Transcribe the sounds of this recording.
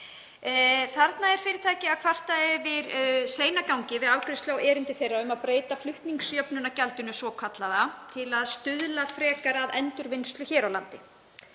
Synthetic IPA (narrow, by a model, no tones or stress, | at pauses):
θaɾt̪naɛɾ̥fɪːɾɪɾ̥t̪ʰaːjcɪakʰv̥ar̥t̪aɛvɪɾseːjnakawɲcɪvɪðaːwkʰɾɪst̪lawʔɛːɾɪnt̪ɪθejrːaʏmaðpɾeːjt̪aflʏht̪niŋksjœpnʏnacalt̪ʏnʏsɔkʰat̪laðat̪ʰɪlaðst̪ʏðlafɾɛːkaɾaðɛnt̪ʏɾvɪnst̪lʏçɛːɾawlant̪ɪ